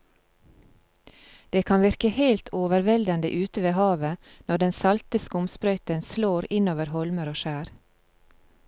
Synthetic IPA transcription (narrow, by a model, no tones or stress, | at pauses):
d̪̥eːkʰɑnʋɪɾkəheɪlt̪ʰoːʋəɾʋɛld̪ənd̪ə̰ʔʉːt̪əʋeːhɑːʋənɔɖɛnsɑlt̪əskəʊmspɾœʏt̪ənsloːɾɪnoːʋəɾhɔlməɾoːʃæːɾ